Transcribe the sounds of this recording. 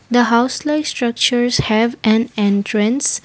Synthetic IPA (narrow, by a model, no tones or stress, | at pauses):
d̪əɦaʊslaɪsʈɾʌk̚t͡ʃəɾshɛvʔɛ̃nɛ̃ntʰɾə̃ns